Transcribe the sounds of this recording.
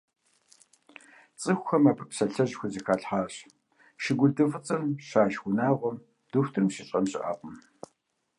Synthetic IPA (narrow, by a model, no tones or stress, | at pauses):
t͡sʼɨxʷxɐmaːpʰɨpsɐɬɐʑxʷizɐkʰaːɬħaːɕ | ʃɪɡʷʊɮdɨfɨt͡sʼɐmɕaːʃxʷʊnaːʁʷɔm | d̥uxʷtʰɨrmɕɪɕʼɐmɕʼɪ̰ʔa̰ːqʼɔm